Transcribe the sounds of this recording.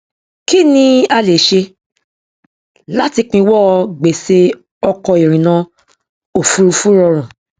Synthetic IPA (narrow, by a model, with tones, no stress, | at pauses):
ki˦nĩ˧a˧le˨ʃe˧ | la˦ti˧k͡pĩ˧wɔ˦˧ɡ͡be˨se˧ | ɔ˧kɔ˧i˨ɾ̃ĩ˨nã˧˦ | o˨fu˧˦ɾu˧fu˦ɾɔ˧ɾ̃ã˨